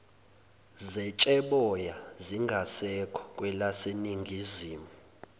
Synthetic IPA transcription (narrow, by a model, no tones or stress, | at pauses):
zɛt͡ʃʼɛɓɔjaziŋɡʱasɛkʰɔ̥kʼwɛlaseniŋɡʱiziːmu